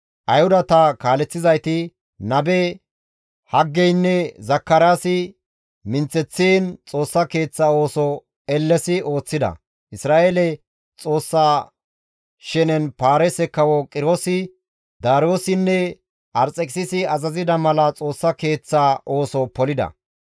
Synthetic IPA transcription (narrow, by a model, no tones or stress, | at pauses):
ʔɐjhʊd̪ɐt̪ɐkaːlɛt͡sːɪzɐjt̪ɪ | nɐbɛ | hɐɡːɛjnːɛzɐkːɐɾaːsɪ | mɪnt͡sːɛt͡sːeːnt͡sʼo̞ːsːɐke̞ːt͡sːao̞ːsɔ | ɛlːɛsɪo̞ːt͡sːɪd̪ɐ̰ | ʔɪsɾaːʔeːlɛ | t͡sʼo̞ːsːaː | ʃɛnɛnpaːɾɛsɛkːɐwɔkʼɪɾoːsɪ | d̪aːɾo̞ːsɪnːɛ | ʔɐɾt͡sʼɛkʼsɪsɪɐzɐzɪd̪ɐmɐlɐt͡sʼo̞ːsːɐke̞ːt͡sːaːʔoːsɔpɔlɪd̪ɐ̰